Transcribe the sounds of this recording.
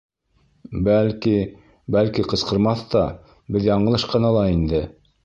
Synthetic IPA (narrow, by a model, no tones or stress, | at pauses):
bælki | bælkiqɤ̆sqɤ̆ɾmɑθt̪ɑ | bɘðjɑɴɤ̆lˠɤʃqɤ̆nɑlˠɑind̪ɘ